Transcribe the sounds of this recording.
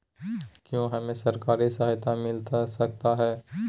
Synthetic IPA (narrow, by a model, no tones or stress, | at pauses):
kjõɦɐmẽsɐɾkaːɾisaɦt̪amɪlt̪asɐk̚t̪aɦɛː